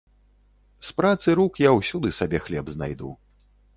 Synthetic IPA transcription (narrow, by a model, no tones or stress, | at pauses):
spɾat̪sɨɾukjawsʲud̪ɨsabʲɛxlʲɛbzna̰jd̪ṵ